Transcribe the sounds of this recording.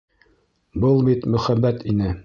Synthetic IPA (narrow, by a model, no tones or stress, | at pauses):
bɤlˠbit̪mɵ̆χæbːæt̪inɘ